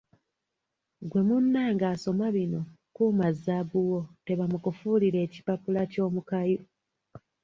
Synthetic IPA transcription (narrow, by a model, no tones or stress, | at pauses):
ɡwe̞munːaːŋɡaːso̞maβino̞kumazːabuwo̞te̞βamukufuliɾe̞ːci̥papulaco̞ːmukaju